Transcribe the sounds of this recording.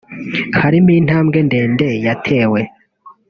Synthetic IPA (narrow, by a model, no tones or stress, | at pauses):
haɾimiːn̥haːmɡe̞nde̞ːndejatʰe̞ːwe̞